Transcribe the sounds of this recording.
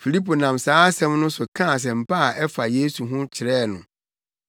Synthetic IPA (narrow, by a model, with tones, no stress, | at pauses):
fi˨li˦pʰo˨nã˨msaː˨˦sɛ̃˦mnʊ̃˦sʊ˨kʰã˦˨s̬ɛ˨m̩˨pa˦a˨ʔɛ˦fa˨je˦su˨ɦʊ̃˦t͡ɕʰɪ˨ɾɛː˦˨nʊ̃˨